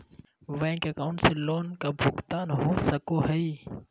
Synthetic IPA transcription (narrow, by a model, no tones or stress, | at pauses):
ʋɛ̃ɦkeɐkaːʊ̃ɳʈseloːnkabʱʊkt̪aːnɦosɐkoɦəi